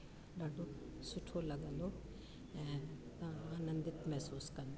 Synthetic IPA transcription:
ɖaːɖʱosʊʈʰolɐɡə̃nd̪o | ɛ̃ːt̪ɐãaːnə̃nd̪ɪt̪mɛɦsuːskɐ̃nd̪o

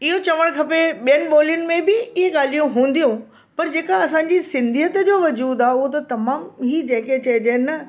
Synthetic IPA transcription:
ɪɦot͡ɕɐʋəɽ̃kʰɐpeɓijənɪ̆ɓoːlijʊnɪ̆mẽbɪɪɦeɠaːl̤ijũɦũːnd̪ijũ | pɐɾd͡ʑeːkaɐsãːɲd͡ʑiːsɪ̃nd̪ʱiɦət̪d͡ʑoːʋɐd͡ʑuːd̪aːʊɦot̪̬ɐt̪ɐmaːmɦiːd͡ʑɐ̃ːɪ̃ket͡ɕɐd͡ʑeːnɐ

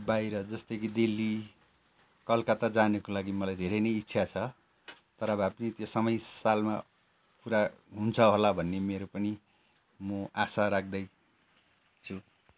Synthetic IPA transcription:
bajɾʌd͡zʌst̪ʌkʰid̪ilːi | kʌlkʌt̪ad͡zanekolaɡimʌlajd̪ʱeɾʌjnʌjitːsʰjat͡sʰʌ | t̪ʌɾʌʌbʌapnit̪josʌmʌjsalma | kuɾaɦunt͡sʰʌɦolabʱʌnːemeɾopʌni | mʌasaɾak̚ʰd̪ʌj | t͡sʰu

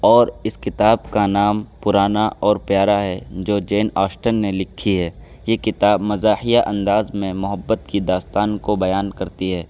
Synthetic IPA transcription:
ɔːɾɪskɪt̪aːbkanaːmpʊɾaːnaʔɔːɾpjaːɾaɦɛd͡ʒoːd͡ʒeːnaːʃʈənːelɪkʰːiɦɛː | jekɪt̪aːbmɐzaːhijaʔɐ̃nd̪aːzmẽmʊɦəbːət̪kid̪aːst̪aːnkobɐjaːnkɐɾt̪iɦɛː

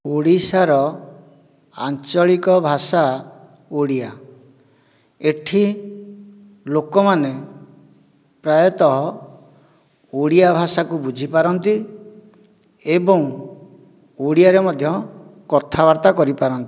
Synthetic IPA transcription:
uɽisaɾɔ | a̰nt͡ʃɔɭikɔbʱasa | uɽija | eʈʰi | lokɔmane | pɾajɔt̪ɔɦɔ | uɽijabʱasakubud͡ʒʱipaɾɔnt̪i | ebɔ̃ŋ | uɽiaɾemɔd̪ʱjɔkɔt̪ʰabaɾt̪akɔɾipaɾɔnt̪i̥

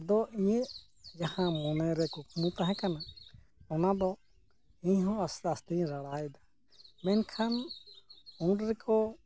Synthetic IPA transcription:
d̪ɔʔiɲəʔ | d͡ʒahãmɔnɛɾɛkukʰumũt̪aɦɛ̃kana | ɔnad̪ɔ | iɲɦɔ̃ast̪ast̪iɲɾaɽajd̪a | mɛnkʰan | uɖɾɛkʰɔ

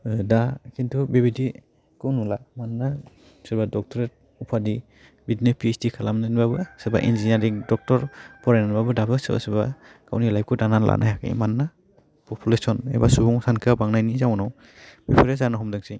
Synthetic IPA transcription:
dakintʰubebidi | kɯwnulamanːa | sɯbadɔk̚tʰɔɾɛt̚ | upʰadi | bidnepisdikʰalamnanbabɯseba̰ʔḭnd͡ʒinaɾiŋdɔk̚tɔɾpʰɔɾajnababɯdabɯsɯba̰sɯba | ka̰wnilajp̚kʰɯdanala̰nʔa̰jakḭmanːa | pɔpʰulesɔnḛbasubɔŋsankʰɯabaŋnajnizawnɔw | b̥epʰɔɾesanaɦɔmdɯŋsi

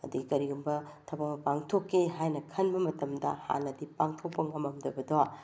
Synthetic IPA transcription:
ɐ̰diɡikɐɾiɡumbɐtʰɐbɐmɐpaŋtʰokʰːeɦajnɐkʰɐnbɐmɐtɐmdɐ̰ha̰nɐdipaŋtʰok̚pɐŋɐmɐmdɐbɐdoa

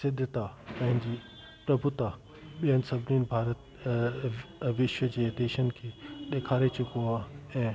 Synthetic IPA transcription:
sɪd̪ʱət̪apɐ̃ɦɪ̃ɲd͡ʑiː | pɾɐbʱut̪a | ɓijənɪ̆sɐbʱɪniːnbʱaːɾət̪ | ʋɪʃʋəd͡ʑeːd̪eːʃənɪ̆kʰeːɗeːkʰaːɾet͡ɕʊkoaːɛ̃ː

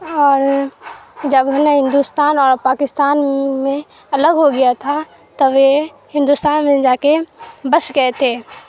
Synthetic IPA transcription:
ɔːɾ | d͡ʒɐbɦnɦɪ̃nd̪ust̪aːnɔːɾpaːkɪst̪aːnmẽ | ɐləɡɦoɡɐjat̪ʰa | t̪ɐʋe | hɪ̃nd̪ust̪aːnmẽd͡ʒaːkebəsɡɐet̪ʰeː

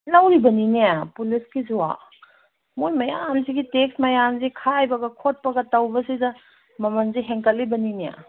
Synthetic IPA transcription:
lɐwɾibɐninijapulisɡizuwa̰ | mujmɐjamziɡiteksmɐjamzikʰajbɐɡɐkʰot̚pɐɡɐtɐwbɐsidɐ | mɐmɐnziɦeŋkɐl̚ːibɐninija̰

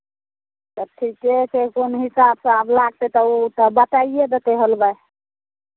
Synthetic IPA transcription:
t̪əʈʰikesekonɦisabsə̃əblaɡ̚t̪et̪ɔut̪əbət̪aied̪et̪eɦolba

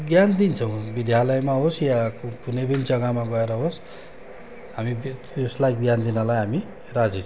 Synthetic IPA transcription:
ɡjand̪int͡sʰʌw̃bid̪ʱjalʌjmaɦosjakunʌjpʌnid͡zʌɡamaɡʌeɾʌɦos | ɦamib | oslajɡjand̪inʌlajɦami | rad͡zit͡sʰ

